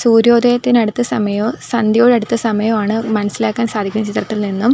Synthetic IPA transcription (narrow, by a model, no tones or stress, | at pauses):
suːɾo̞ːd̪ɐjɐt̪ːinɐɽut̪ːɐsɐmɐjɐsɐnd̪joːɻɐɽut̪ːɐsɐmɐjɐmaːɳɨmɐnɐsilaːkːaːnsaːd̪ʱikʲːumɐt͡ɕit̪rɐt̪ːilninːum